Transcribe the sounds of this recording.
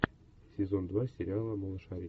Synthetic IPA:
sʲezond̪vasʲeɾʲɪalˠəmolˠɤ̆ʂɑɾʲi

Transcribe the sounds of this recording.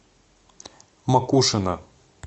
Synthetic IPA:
mɐkuʂɨnɐ

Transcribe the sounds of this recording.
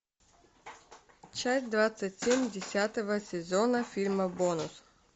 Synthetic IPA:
t͡ʃasʲtʲd̪vat̪sːətʲsʲemʲdʲɪsʲat̪əvɐsʲɛzɔnɐfʲilʲmɐbɔnʊs

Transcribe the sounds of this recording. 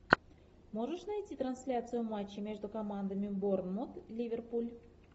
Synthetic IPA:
moʐəʂnɐjtʲit̪ɾɐnsʲlʲat̪sɨjʊmat͡ɕːɪmʲeʐd̪ʊkɐmand̪əmʲɪbornmot̪lʲivʲerpulʲ

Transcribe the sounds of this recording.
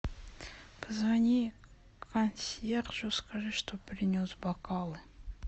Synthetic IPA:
pəzvanʲi | kʰɐnsʲerʒoskaʐɨʂt̪opɾʲɪnʲosbɐkɑlˠɨ

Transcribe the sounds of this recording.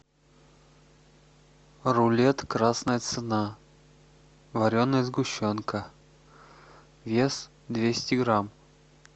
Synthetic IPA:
rʊlʲet̪kɾasnəjət̪sɨna | vɐɾʲonːəjzɡʊɕːonkə | vʲes | d̪vʲesʲtʲɪɡɾam

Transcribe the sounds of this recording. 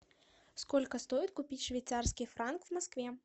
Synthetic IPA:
skɔlʲkɐst̪ɔjit̪kupʲit͡sʲʂvʲɛjt̪sarskʲifɾankvmaskvʲɛ

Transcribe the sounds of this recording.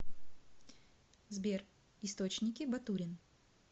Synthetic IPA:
zbʲer | ɪst̪ot͡ɕnʲɪkʲɪbɐt̪uɾʲɪn

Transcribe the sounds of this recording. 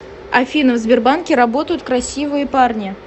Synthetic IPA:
ɐfʲinɨvzʲbʲɪrbankʲɪɾɐbo̞t̪əjʊt̪̚kɾɐsʲivɨjəparnʲɪ

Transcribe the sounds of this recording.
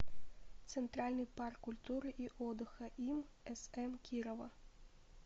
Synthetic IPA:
t̪sɛnt̪ɾalʲnɨjparkːulʲt̪uɾɨʔiʔɔd̪ɨxɐʔimɛsɛmkʲiɾɔvɐ

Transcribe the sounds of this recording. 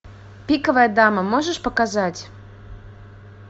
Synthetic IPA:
pʲikəvəjəd̪ɑməmoʒəʃpəkazɑtʲ

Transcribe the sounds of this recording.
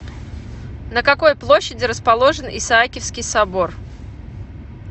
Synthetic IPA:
nəkɐko̞jplˠoɕːɪdʲɪɾəspɐlˠo̞ʐɨnɪ̰saakʲɪfskʲɪjsɐbo̞r

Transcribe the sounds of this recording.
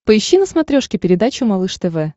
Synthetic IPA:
pəɪɕːinəsmɐt̪ɾʲoʂkʲɪpʲɪɾʲɪd̪at͡ɕʊmɐlˠɨʂt̪ɛvɛ

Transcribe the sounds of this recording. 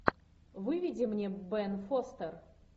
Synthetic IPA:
vɨvʲɪdʲɪmnʲebɛnfost̪ər

